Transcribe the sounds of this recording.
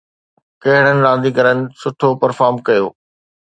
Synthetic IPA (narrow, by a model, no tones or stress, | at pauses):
kɐɦɪɽ̤ənɪ̆ɾãːn̆d̪ikɐɾənɪ̆sʊʈʰopɐɾfaːɾmkɐjo̰ː